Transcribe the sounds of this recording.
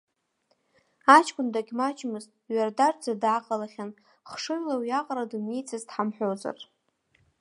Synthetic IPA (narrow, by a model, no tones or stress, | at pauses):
at͡ʃʰʼkʷʼʊndaɡʲmat͡ʃʼmɨztʼɥardard͡zadaːqʼalaχʲan | χʂɨʕlawjaqʼɾadumnejt͡sʰazdħamħʷoza̰r